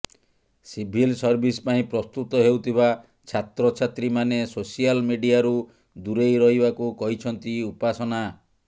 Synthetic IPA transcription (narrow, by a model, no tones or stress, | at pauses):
sibʱilsɔɾbʱispaĩpɾɔst̪ut̪ɔɦewt̪ʰiβa | t͡ʃʰat̪ɾɔt͡ʃʰat̪ɾimanesosialmiɖijaɾu | d̪uɾejɾɔɦibakukɔɦit͡ʃʰɔnt̪iupasɔna